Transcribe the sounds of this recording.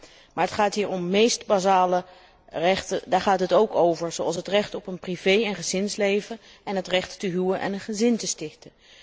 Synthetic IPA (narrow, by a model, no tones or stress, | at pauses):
maːɹɦətχaːtɦiːɹɔmːejstbazaːlə | rɛχtədaːɹχaːtɦətowkowvəɹzowɑlˠsɦətrɛχtɔpənprivejɛnχəzɪnslejvə | ɛnɦətrɛχtːəɦywənʔɛ̰nənχəzɪntəstɪχtə